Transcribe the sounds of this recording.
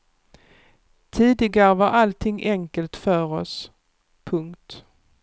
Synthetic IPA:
t̪ʰiːd̪ɪɡaɾəvaɾʔalt̪ʰɪŋːʔɛŋkəlt̪fœːɾɔs | pʰɵŋkt̪

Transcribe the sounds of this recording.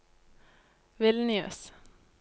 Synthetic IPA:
ʋɪlnɪø̰ːs

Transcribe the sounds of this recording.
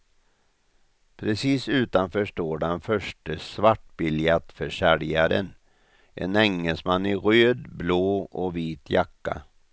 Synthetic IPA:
pʰɾɛsiːsʉ̟ːt̪anfœʂʈoːɖɛnfœʂʈəsvaʈbɪljat̪fœʂæɾjaɾə̰n | ʔɛ̰nɛŋːəlsmanːɪɾøːd̪bloːʔɔviːt̪jakːa̰

